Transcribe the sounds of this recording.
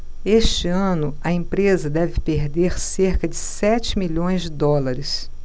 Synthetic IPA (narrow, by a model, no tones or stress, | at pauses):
eʃt͡ʃɪɐ̃nʊɐẽpɾezɐd̪ɛvɪpeɾd̪eɾseɾkɐd͡ʒɪsɛt͡ʃɪmiʎõj̃zd͡ʒɪd̪ɔlɐɾɪs